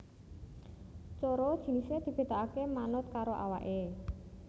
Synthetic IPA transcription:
t͡ʃoɾɔd̥ʒ̥i̤nised̪̥i̤b̥e̤d̪aakemanʊt̪̚kaɾoʔawa̰ʔe

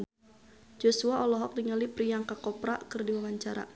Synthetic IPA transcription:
d͡ʒosuaʔɔlɔɦɔk̚diŋalipɾijaŋkakɔpɾakɨrdiwawaɲt͡ʃaɾa̰

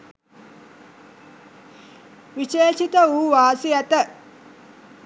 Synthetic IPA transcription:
ʋiʃeːʃit̪əuːʋaːsiæt̪ə

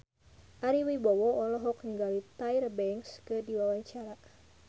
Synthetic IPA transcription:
ʔaɾiwibɔwɔɔlɔɦɔk̚niŋɡalit̪ajɾbɛŋkskədiwawaɲt͡ʃaɾa

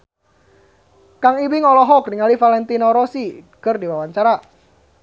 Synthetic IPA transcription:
kaŋiwiŋɔlɔɦɔkdiŋalifalɛnt̪inɔɾɔsikərdiwawaɲt͡ʃaɾa

